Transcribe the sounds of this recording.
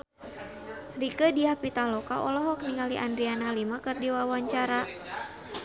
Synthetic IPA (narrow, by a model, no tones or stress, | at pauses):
rikədiahpit̪alɔkaʔɔlɔɦɔk̚niŋaliʔandɾianalimakɨrdiwawaɲt͡ʃaɾa